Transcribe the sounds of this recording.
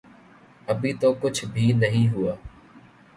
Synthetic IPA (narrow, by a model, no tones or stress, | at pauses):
əbʱiːt̪oːkʊd͡ʒʰʱbʱiːnəɦĩːɦʊaː